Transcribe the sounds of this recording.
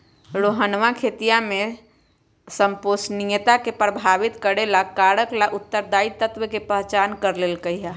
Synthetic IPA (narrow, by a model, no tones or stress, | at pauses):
ɾoːɦənʋakʰeːt̪ijãmẽ | səmposnijət̪akepɾəbʱaːʋɪt̪kəɾelakaːɽəklaʔʊt̪ːəɾd̪aːit̪ət̪ʋəkepəɦt͡ʃaːnkəɾleːlkəiɦa